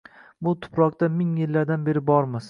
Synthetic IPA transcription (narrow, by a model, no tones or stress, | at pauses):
bʊt̪ʰʊ̥pɾɒq̚t̪amɪŋjɪlːaɾd̪anbe̞ɾɪbɒɾmɪs